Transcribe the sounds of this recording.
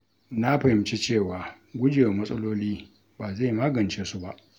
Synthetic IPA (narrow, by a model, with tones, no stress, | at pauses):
na˦ɸɐ˨hɪ˨˦mt͡ʃi˦t͡ʃeː˦˨waː˨ | ɡʷʊ˦d͡ʒe˨wmɐ˦sʼɐ˦loː˦liː˦ | baː˨za˦˨maː˦ɡɐ˨nt͡ʃeː˦su˦ba˨ʔ